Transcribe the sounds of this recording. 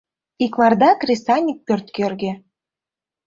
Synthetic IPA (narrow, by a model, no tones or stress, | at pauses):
ikmɑrd̪ɑkrʲisɑnʲik̚pʲørt̪kørɣĕ